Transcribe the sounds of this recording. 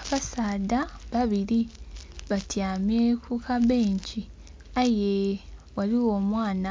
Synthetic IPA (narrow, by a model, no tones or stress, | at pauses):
aβasaːdaβaβiɾiβatjaːmekukaβeːɲci | ajewaliwo̞ːmwaːna